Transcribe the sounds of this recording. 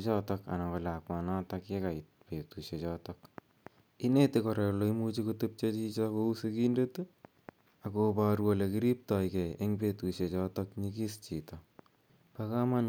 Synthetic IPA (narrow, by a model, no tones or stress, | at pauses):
t͡ʃɔtɔka̰nakɔlakmanatakekait̚petuʃet͡ʃɔtɔk | inetekɔɾeloimut͡ʃikutup̚t͡ʃet͡ʃit͡ʃɔkousekindetu | akopaɾuolekiɾip̚tɔjkɛeŋpetuʃet͡ʃɔtɔkɲikist͡ʃitɔ | pakaman